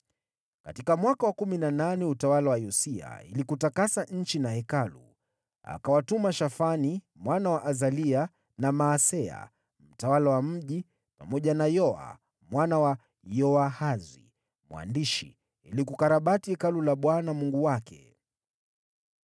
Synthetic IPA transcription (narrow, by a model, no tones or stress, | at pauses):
katikamwakawakuminananɛutawalawajɔsia̰ḭlikutakasaɲ̩t͡ʃinahɛkalṵ | a̰kawatumaʃafani | mwanawaʔazalia | namaːsɛa̰ | m̩tawalawam̩ʄi | pamɔʄanajɔa̰ | mwanawa | jɔahazwḭ | mwa̰ndiʃḭ | ilikukaɾaɓatihɛkalulaɓwanamuŋɡuwakʰɛ̰